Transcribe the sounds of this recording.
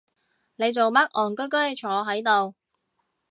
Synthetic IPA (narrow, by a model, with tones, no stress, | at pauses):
ne˨˧jt͡so˨wmɐ˥k̚ʔɔː˨˩nkɵ˥k̬ɵ˥ɥt͡ʃʰɔː˨˧˥ɦɐ˨˥jt̪o˨w